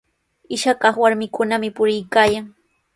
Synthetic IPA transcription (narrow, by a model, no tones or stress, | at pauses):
ɪʃakɑχwaɾmɪkʊnamɪpʊɾɪjkaːjaŋ